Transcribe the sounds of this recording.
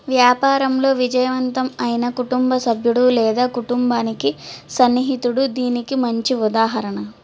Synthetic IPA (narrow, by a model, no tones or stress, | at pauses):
ʋjaːpaːɾɐmlo̞ːʋid͡ʒɐjɐʋɐnt̪ɐmɐjinɐkuʈumbɐsɐbʱjuɽulɛːd̪aːkuʈumbaːnikisɐnːiɦit̪uɽud̪iːnikimɐɲt͡ʃiud̪aːɦɐɾɐɳɐ